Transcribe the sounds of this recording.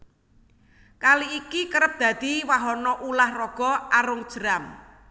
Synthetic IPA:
kaliːkikəɾəp̚d̪̥ä̤d̪̥i̤waɦɔnɔʔulahrɔɡ̥ɔ̤aɾʊŋd̥ʒ̥əɾam

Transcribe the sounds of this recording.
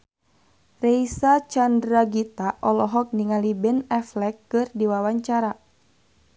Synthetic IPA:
rɛisat͡ʃandɾaɡit̪aʔɔlɔɦɔk̚niŋalibɛnɛflɛkːɨrdiwawaɲt͡ʃaɾa

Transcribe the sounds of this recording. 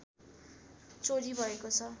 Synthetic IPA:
t͡soɾibʱʌekot͡sʰʌ

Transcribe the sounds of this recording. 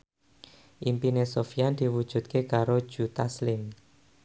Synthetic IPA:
ʔimpinesofiand̪̥iwud̥ʒ̥ṳt̪̚kekaɾod̥ʒ̥ṳt̪aslɪm

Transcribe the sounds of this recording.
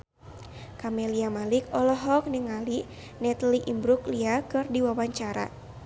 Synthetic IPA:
kamɛliamalikɔlɔɦɔk̚nɨŋali | nɛt̪liʔimbɾukliakɨrdiwawaɲt͡ʃaɾa̰

